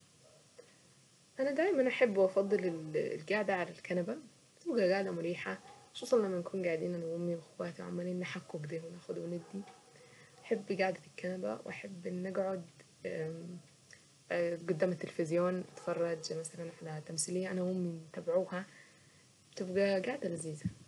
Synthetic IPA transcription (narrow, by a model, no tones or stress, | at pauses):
ʔænæd̪æːjmænʔaħebːʔɑfɑd̪ˤːelel̰lɡaʕd̪æʕalælkænæbæ | bet̪ebɡæɡaʕd̪æmʊɾiːħaʃoːsˤɑnlæmːænkʰuːnɡaʕd̪iːnʔænæwomːiwexowæːt̪ʕa̰mːæliːnʔaħakːoɡd̪eːhmnæːxod̪wened̪ːi | ʔaħebːɡaʕd̪æelkːænæbæ̰wḛʔaħebːʔenːʔeɡʕod̪ | ɡod̪ːæːmæt̪ːelefezjoːnʔɑt̪fɑrˤːɑd͡ʒmæsælænʕalæt̪æmsilejːæʔænæwomːimt̪æbʕuːhæ | bet̪ebɡæɡaʕd̪ælæziːzæ